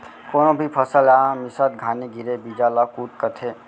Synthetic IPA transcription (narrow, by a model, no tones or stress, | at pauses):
konobʱipʰəsəlamisət̪̚ɡʱaniɡʱiɾebid͡ʒalɔkuʈ̪̚kət̪ʰe